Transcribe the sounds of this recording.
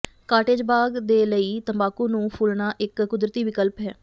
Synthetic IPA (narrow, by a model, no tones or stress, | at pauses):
kaːʈeːd͡ʒbaːɡd̪eːləiːt̪əmbaːkuːnũːpʰʊːlnaːʔɪkːʊd̪ɾət̪iːʋɪkəlpɦɛː